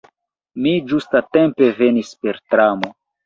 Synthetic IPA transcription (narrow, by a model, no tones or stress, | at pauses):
mid͡ʒustate̞mpe̞ve̞nispe̞ɾtɾamo̞